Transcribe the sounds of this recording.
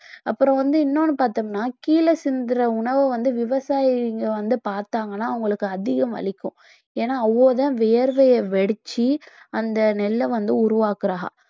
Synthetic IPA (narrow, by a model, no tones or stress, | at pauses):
ɐpːɯɾɔ̃ʋɐnd̪ɯɪnːoːnːɯpaːɾt̪ɐːŋɡɐnːaːkiːlɐsɪnd̪ɪɾɐʊɳɐʋɯʋɐnd̪ɯʋɪʋɐsaːjɪŋɡɐʋɐnd̪ɯpaːɾt̪aːŋɡɐnːaːɐʋʊŋɡɐɭɯkːɯɐðɪɣɐmʋɐ̰ɭɪkʲːʊ̃ | eːnːaːɐʋːoːðãːʋeːɾʋɐjɐʋɛɽɯt͡ʃːiɐnd̪ɐnɛlːɐʋɐnd̪ɯʊɾʊʋaːkɯɾaːɣɐ̰